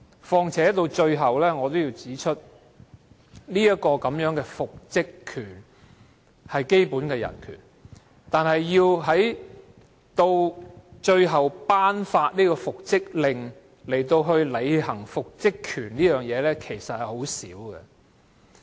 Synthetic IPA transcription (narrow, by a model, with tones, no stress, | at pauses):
fɔː˧ŋt͡sʰɛː˨˥t̪o˧wt͡ʃɵ˧ɥɦɐ˨wlɛː˥ŋɔː˨˧t̪o˥wjiː˧wt͡siː˨˥t͡ʃʰɵ˥t̚ | niː˥jɐ˥t̚kɔː˧kɐ˨˧˥mjœː˨˥ŋkɛː˧fʊ˨k̚t͡sɪ˥kʰːyː˨˩n | hɐ˨jke˥jpuː˨˥nkɛː˧jɐ̰˨˩nkʰyː˨˩n | t̪aː˨nɦɐ˨jːiː˧wɦɐ˨˥j | t̪o˧wt͡ʃɵ˧ɥɦɐ˨wpaː˥nfaː˧t̚niː˥kɔː˧fʊ˨k̚t͡sɪ˥k̚lɪ˨ŋ | le˨˩jt̪o˧wɦɵ˧ɥle˨˧jɦɐ˨˩ŋfʊ˨k̚t͡sɪ˥kʰyː˨˩nliː˥jœː˨˩ŋjɛː˨˧lɛː˥kʰe˨˩jsɐ˨t̚hɐ˨jho˨˥wsḭː˨˥wɡɛ̰˧